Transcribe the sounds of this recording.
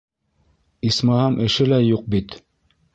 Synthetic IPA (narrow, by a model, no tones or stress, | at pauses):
ismɑhɑmʔɘ̆ʃɘlæjuq̚bit̪